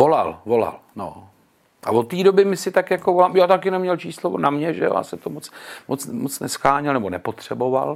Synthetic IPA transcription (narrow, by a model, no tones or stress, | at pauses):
vola̰lvo̞la̰l | no̰ | ʔavot̪ːiːdobɪmɪsɪt̪akjakovolaːmjaːt̪akjɛnomːɲɛlt͡ʃiːslonamɲɛʒɛjo̰ja̰ːsɛmt̪omot͡smot͡smot͡snɛsxaːɲɛlnɛbonɛpo̞t̪r̝̥ɛbo̞va̰l